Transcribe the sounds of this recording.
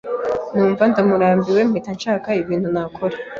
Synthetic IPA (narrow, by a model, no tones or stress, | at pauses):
nuːɱvandamuɾaːmbiwe̞mhitanʃaːkaiβiːnthunakʰoɾe